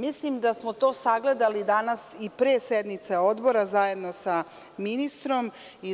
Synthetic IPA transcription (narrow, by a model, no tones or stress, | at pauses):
mislimd̪asmot̪o̞ːsaɡle̞d̪alid̪anasipɾeːsed̪mit̪seo̞d̪bo̞ɾazaje̞d̪no̞sa | minist̪ɾo̞mi